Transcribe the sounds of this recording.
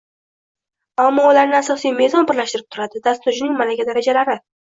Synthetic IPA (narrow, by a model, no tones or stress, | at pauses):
amːɒulaɾnɪasɒsijme̞zɒnpɪɾlaʃt̪ɪɾɪp̚t̪ʰʊɾad̪ɪd̪ast̪ʊɾd͡ʒɪnɪŋmanaɡʲad̪aɾad͡ʒalaɾɪ